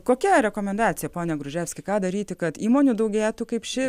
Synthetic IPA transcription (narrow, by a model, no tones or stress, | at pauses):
koːkʲɛɾʲɛkoːmʲɛnd̪ɑːt͡s̪ʲɪjɛpoːnʲɛɡɾʊʒʲæːfʲsʲkʲɪkɑːd̪ɐɾʲiːt̪ʲɪkɐt̪iːmoːnʲud̪ɐʊɡʲeːt̪ʊkɐɪpʃʲɪ